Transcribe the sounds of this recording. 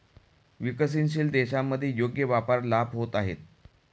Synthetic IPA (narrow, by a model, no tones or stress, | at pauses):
ʋikəs̬inɕ̬iːld̪eɕamːəd̪ʱːjejoɡjəʋapaɾlabʱɦot̪aɦet̪̚